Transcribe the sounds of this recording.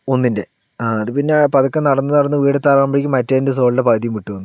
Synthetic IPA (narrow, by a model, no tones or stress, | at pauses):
o̞nːinde̞ | aːɐðɨpinːepɐðɐkːɐnɐɽɐnːɨnɐɽɐnːɨʋiːɽet̪ːaːraːmbɐɽikʲːɨmɐtːɐðindes̬o̞ːɭɨɽepɐɣɐt̪ijumiʈːuʋɐnːu